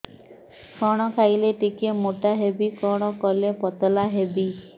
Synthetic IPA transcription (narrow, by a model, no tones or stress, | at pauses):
kʰɔɽ̃ɔkʰajleʈikemoʈaɦebikɔɽ̃ɔkɔlepɔt̪ɔlaɦebi